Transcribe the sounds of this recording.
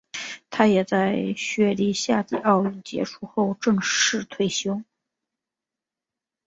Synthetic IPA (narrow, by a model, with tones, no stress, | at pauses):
t̪ʰa˥jɛ˨˩t͡sa˥˩ɪɕɥɛ˥˩li˥ɕja˥˧t͡ɕi˥˧ɑ˥˧ʊy˥˩nt͡ɕjɛ̰˧˥ʈ͡ʂʰu˥xo˥˧ʊʈ͡ʂɤ˥˧ŋʂʂɻ̩˥˧t̪ʰwe˥˩ɪɕjo˥ʊ